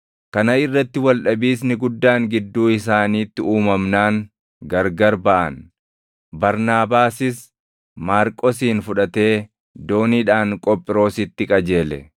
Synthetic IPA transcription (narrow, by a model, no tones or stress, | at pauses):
kɐnɐɪrːɐt̪ːɪwɐlᶑɐbiːs̬nɪɡʊd̪ːaːŋɡɪd̪ːuːɪs̬aːniːt̪ːɪuːmɐmnaːŋ | ɡɐɾɡɐɾbɐʔɐ̰n | bɐɾnaːbaːsɪs | maːɾkʼɔsiːnfʊᶑɐt̪e̞ː | d̪o̞ːniːᶑaːŋkʼɔpʼːɪɾo̞ːsɪt̪ːɪkʼɐd͡ʒe̞ːlɛ̰